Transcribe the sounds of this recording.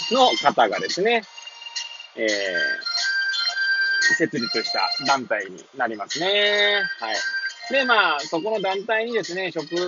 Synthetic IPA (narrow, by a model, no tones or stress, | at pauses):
no̞kat̪aɡa̰d̪e̞sɨne̞ | eː | se̞t͡sɨɾʲit͡sɨɕi̥t̪a̰d̪ãnt̪aiɲ̟ḭnaɾʲimasɨne̞haid̪e̞maːso̞ko̞no̞d̪ãnt̪aiɲ̟id̪e̞sɨne̞ɕo̞kɯ̟